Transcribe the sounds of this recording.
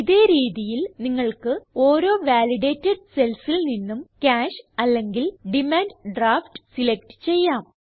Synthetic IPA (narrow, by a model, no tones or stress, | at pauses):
iðe̞ːɾiːðijilniŋːɐɭkɨo̞ːɾo̞ːʋaːliɽe̞ːtːɐɖse̞lsilninːumkaːʂɐlːe̞ŋɡilɖimaːnɖɖraːfʈɨ̥silekʈɨ̥t͡ɕe̞jːaːm